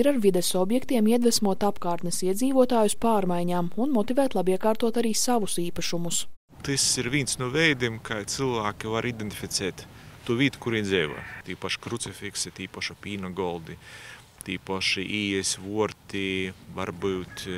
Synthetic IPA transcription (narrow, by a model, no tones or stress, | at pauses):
iɾaɾvid̪ɛsɔbjɛkt̪iɛmiɛd̪vɛsmuɔt̪apkaːɾt̪nesiɛd̪ziːvuɔt̪aːjuspaːɾmajɲaːmunmɔt̪ivæːt̪lˠabiɛkaːɾt̪uɔt̪aɾiːsaʋusiːpaʃumus | t̪ɨsiɾvʲiːnsnuvɛjd̪imkajt̪sɨlˠvaːkʲivaɾid̪ent̪ʲi̥fʲit̪sɛːt̪ːuːvʲiːt̪u̥kuɾiːzɛːʋo̰jt̪iːpaʃkɾut̪sifʲiksit̪iːpaʃapʲiːnɐɡɔlˠd̪i | t̪iːpaʃiʔiːɛsʲvuɔɾt̪ʲiva̰ɾbɨwt̪